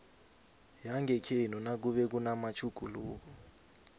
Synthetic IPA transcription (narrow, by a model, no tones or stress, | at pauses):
jaŋɡʱɛkʰenɔnak̬uɓɛk̬unamat͡ʃʰuɡ̥ʱuloːk̬u